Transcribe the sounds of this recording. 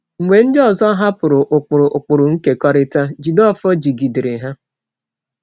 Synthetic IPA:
ŋ͡m̩˨ŋʷe˨n̩˦dɪ˦ɔ˨zɔ˦ɦa˦pʊ˨ɾʊ˨ʔʊ˨k͡pʊ˨ɾʊ˨ʔʊ˨k͡pʊ˨ɾʊ˨ŋ̩˦ke˨kɔ˦ɾɪ˦ta˦d͡ʒi˨dɔ˦˨fɔ˦d͡ʒi˨ɡi˨di˨ɾɪ˨ɦa˦

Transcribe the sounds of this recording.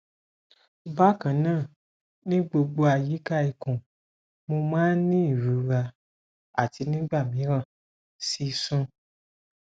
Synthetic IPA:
ba˦kã˨nãː˦˨ | nĩ˦ɡ͡bo˧ɡ͡bo˧a˨ji˨˦ka˦˨i˨kũ˨ | mõ˧mãː˦nĩ˦i˦˨ɾu˨˦ɾa˧ | a̰˦˨ti˧nĩ˦ɡ͡ba˦˨mĩ˨˦ɾã˦˨ | si˦sũ˦

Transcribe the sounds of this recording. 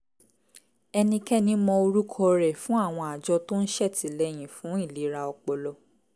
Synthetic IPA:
ɛ˧nĩ˧kɛ˦nĩ˦mɔ̃˧o˧ɾu˦kʰɔ˦˧ɾɛ˨fũ˨˦a˦˨w̃ɔ̃˧a˨d͡ʒɔ˧to˦n̩˦ʃɛ˦˨tʰi˨lɛ˦j̃ĩ˨fũ˨˦i˦˨li˨˦ɾa˧ɔ˧k͡pɔ˧lɔ˧˦

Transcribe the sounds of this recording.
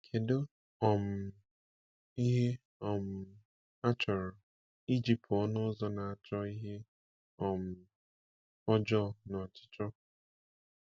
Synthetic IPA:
kʰe˨do˦ | ɔ˨m̩˨ | i˦ɦe˦ | ɔ˨m̩˨ | a˦t͡ʃɔ˨ɾɔ˨ | i˦d͡ʒi˨ptɔ˦nʊ˦zɔ˦na˨a˨t͡ʃɔ˦i˦ɦe˦ | ɔ˨m̩˨ | ɔ˦d͡ʒɔ˦nɔ˨t͡ʃɪ̥˦t͡ʃɔ˦

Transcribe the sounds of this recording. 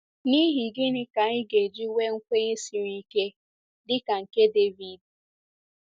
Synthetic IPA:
ni˦ɦi˨ɡɪ˦nɪ˨ka˨ɪ˦ɡe˨d͡ʒi˦we˦ŋ̩˦kʷe˦e˦si˨ɾi˦ke˦ | dɪ˦ka˨ŋ̩˨ke˦de˦vi˨d

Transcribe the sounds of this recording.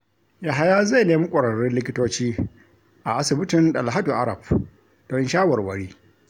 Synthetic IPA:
ja˨ɦa˦jaː˦za˦˨jneː˦mi˦kʷʼɐ˨ɽɐ˨ɽɪ˦nlɪ˦kʲɪ˦toː˦t͡ʃiː˦ | ʔa˨ʔa˦sɪ˨bɪ˦tɪ˨nɗɐ̰˨lɦa˦du˨ʔa˦ɾɐ̰˨b̚ | d̥ɔ˦nʃaː˦wɐ˨rwɐ˦ɽiː˦

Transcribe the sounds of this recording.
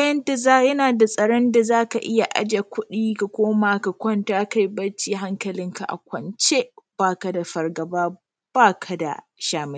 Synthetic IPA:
a˦jɐ˦ndɐ˦˨zaː˦jɐ˦naː˨da˨sʼɐ˨ɽɔ˦nda˨zaː˦ka˨ʔɪ˦ja˨ʔa̰˦d͡ʒa˨kʷʊ˦ɗiː˦ka˨kʷoː˦maː˨ka˨kʷɔ˦ntaː˦ka˦˨jbɐ˦t͡ʃːiː˦ɦa˦ŋkɐ˨lɪ˦ŋka̰˨ʔa̰˨kʷɐ˨nt͡ʃe˦b̥aː˦˨kɐ˨da˨ɸɐ˨rɡɐ˨baː˦ | b̥aː˦kʰɐ˨da̰˨ʃaː˨mɪ˦

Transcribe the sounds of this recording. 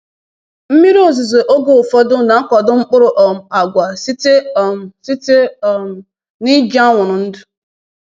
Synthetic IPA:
m̩˦mi˦ɾi˦o˨zʊ˨ze˨ʔo˦ɡo˦˨fɔ˦dʊ˦na˨˦kɔ˨dʊ˦ŋ͡m̩˦k͡pʊ˦ɾʊ˨ʔɔ˨m̩˨a˨ɡʷa˨si˦te˦˨si˦te˦˨ | ni˦d͡ʒa˦ŋʷʊ˨ɾʊ˨n̩˦dʊ˦

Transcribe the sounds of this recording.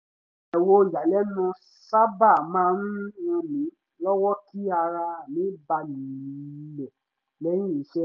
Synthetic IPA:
ɛ˨wo˧˨d͡ʒa˨lɛ˦nũ˧ | sa˦ba˦˨mãː˦n̩˦ũ˧mĩ˨˦ | lɔ˦wɔ˦ki˦a˧ɾa˧˨mĩ˨˦ba˧nĩ˨˦lɛ˨ | lɛ˦j̃ĩ˦˨i˨˦ʃɛ˦

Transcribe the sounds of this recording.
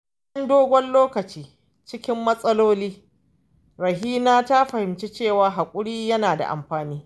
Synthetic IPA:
ɐ˦ndoː˦ɡʷɔ˦nloː˦kɐ˨t͡ʃiː˦ | t͡ʃɪ˦kʲɪ˦mːɐ˦sʼɐ˦loː˦liː˦ | ɾɐ˨ɦiː˦naː˦ta˦ɸɐ˨hɪ˨mt͡ʃe˦t͡ʃeː˦˨waː˦ɦa˨kʷʼʊ˦ɽiː˦jɐ˦naː˨da̰˨ʔa̰˨mɸaː˨niː˦

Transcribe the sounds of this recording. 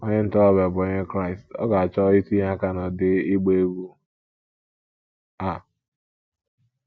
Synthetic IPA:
ɔ˦ɲe˦n̩˦tɔ˦a˦be˨bo˨ɲe˦kɾa˦˨ɪ˨stɔ̰˦ɡa˨a˨t͡ʃɔ˦i˦ti˦ɦa˦ka˦nɔ˨dɪ˦i˦ɡ͡be˦ɡu˦ | a˨

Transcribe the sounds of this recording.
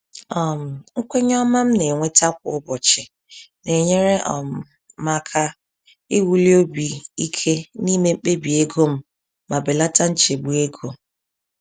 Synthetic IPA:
ɔ˦m̩˨ŋ̩˦kʷe˦ɲ˦ɔ˦ma˦m̩˦ne˨ŋʷe˦ta˦k̚ʷʊ̰˨ʊ˦bɔ˨t͡ʃɪ˨ | ne˨ɲe˦ɾe˦ʔɔ̰˨m̩˨ | ma˦kʰa˦ | ɪ˦wu˦li˦o˦bi˨i˦kʰe˦ni˦me˦m̩˦k͡pe˦bi˨e˦ɡo˦m̩˦ | ma˨be˨la˦ta˦n̩˦t͡ʃe˨ɡ͡bu˨e˦ɡo˨

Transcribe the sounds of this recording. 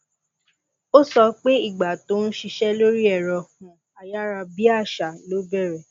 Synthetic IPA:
o˦sɔ˧k͡pe˦i˦˨ɡ͡ba˨to˨˦n̩˦ʃi˧ʃɛ˦lo˦ɾi˦ɛ˦˨ɾɔ˨hũ˨ | a˨ja˦ɾa˧bi˦a˦˨ʃa˨lo˨˦bɛ˦˨ɾɛ˨

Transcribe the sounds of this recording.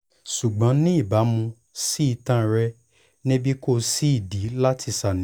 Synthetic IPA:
ʃu˨ɡ͡bɔ̃˨˦nĩ˦i˦˨ba˨˦mũ˧ | si˦i˧tã˦˨ɾɛ˧ | nĩ˦bi˦ko˦˧˨si˦i˦˨di˨˦la˦tʰi˧sa˨nĩ˨˦

